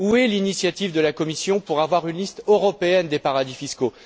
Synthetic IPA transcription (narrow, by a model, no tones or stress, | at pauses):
uɛlinisjat̪ivd̪əlakɔmisjɔ̃puʁavwaʁynlist̪øʁɔpeɛnd̪epaʁad̪ifisko